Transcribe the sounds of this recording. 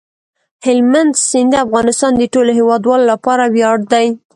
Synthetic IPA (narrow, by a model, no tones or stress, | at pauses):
hɪlmand̪sɪnd̪afɣɑnɪst̪ɑnd̪əʈoloɦewɑd̪wɑlolapɑɾawjɑɽd̪aj